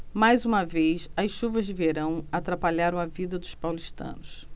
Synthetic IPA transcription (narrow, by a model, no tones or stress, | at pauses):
majzũmɐvejsɐsʃuvɐzd͡ʒɪveɾɐ̃w̃at̪ɾapaʎaɾɐ̃w̃ɐvid̪ɐd̪ʊspawliʃt̪ɐ̰̃nʊs